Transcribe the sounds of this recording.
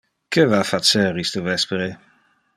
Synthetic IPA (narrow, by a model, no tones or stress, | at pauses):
kʰevafat͡sɛɾist̪əvɛspeɾe